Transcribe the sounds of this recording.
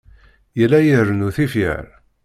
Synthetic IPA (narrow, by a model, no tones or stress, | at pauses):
jəlːæjərːənuθifjə̰ɾ